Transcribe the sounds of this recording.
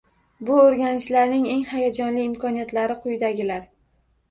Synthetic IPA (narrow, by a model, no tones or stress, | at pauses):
bʊoɾɡʲanɪʃlaɾnɪŋe̞ŋhajad͡ʒɒnlɪːmkʰɒnijat̪laɾɪqʰʊjd̪aɡʲɪlaɾ